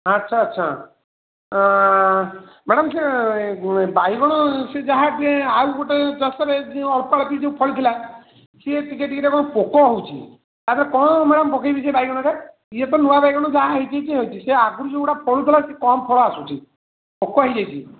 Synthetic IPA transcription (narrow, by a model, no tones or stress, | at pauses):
ətːʃʰaːtːʃʰa̰ | meɽɔmse | bajɡɔɽ̃ɔsed͡ʒaɦãʈauɡɔʈet͡ʃɔsɔɾeɔɭpaɭpid͡ʒeũpʰɔɭt̪ʰila | seʈikeʈikeɾekɔɽ̃ɔpokɔɦowt͡ʃʰi | t̪at̪ɔɾekɔɽ̃ɔmaɽɔmpɔkʰajbis̬ɔjbaijɡɔɽ̃ɔka | iet̪ɔnuʋabajɡɔɽ̃ɔd͡ʒaɦãɦəit̪ʰit͡ʃiɦewt͡ʃʰiseaɡuɾud͡ʒeuʈapʰɔɭut̪ʰɔlasekɔmpʰɔɭɔasut͡ʃʰi | pokɔɦejd͡ʒajt͡ʃʰi